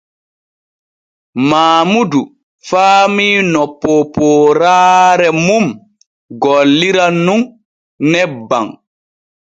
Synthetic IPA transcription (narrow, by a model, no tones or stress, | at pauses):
maːmudu | faːmiːnɔpːɔpːɔːɾaːɾɛmum | ɡɔlːiɾanːun | nɛbːa̰ŋ